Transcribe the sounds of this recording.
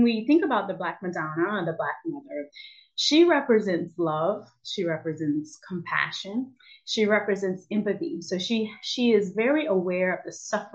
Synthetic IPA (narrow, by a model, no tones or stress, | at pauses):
nwiθɪ̃ŋkəbaʊt̪̚ðɨblæk̚mɨdɑnəðəblæk̚mʌðə˞ | ʃiɹɛpɹɨzɛ̃ntslʌv̥ | ʃiɹɛpɹɨzɛ̃ntskʰm̩pʰæ̰ʃɨ̃n | ʃiɹɛpɹɨzɛ̃ntsɛ̃mpɨθḭsoʊʃiʃiɪzvɛɹiʔəwɛɹʌvðɨsʌfə